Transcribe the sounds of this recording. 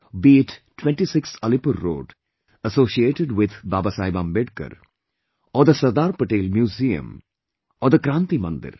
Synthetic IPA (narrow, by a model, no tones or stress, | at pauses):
biːʈʈʋɛ̃ɳʈisɪksɐlɪpəɾːo̰ːɖ | əsoːsieːʈeɖʋɪd̪ba̰ːbasaːɪbãːmbeɖkə̰ɾ | ɔːɾd̪əsɐɾd̪aːɾpəʈeːlmjuːziːə̰̃m | ɔːɾd̪əkɾãːnt̪imɐ̰̃nd̪ɪ̰ɾ